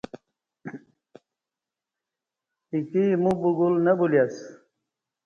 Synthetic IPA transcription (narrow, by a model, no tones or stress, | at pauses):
ikimubuɡulnɐbuljas